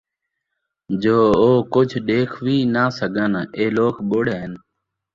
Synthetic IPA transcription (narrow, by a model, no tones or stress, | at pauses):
d͡ʒoːoːkʊd͡ʒʱɗeːkʰʋiːnaːsəɡʱəneːloːkɓoːɽeːɦən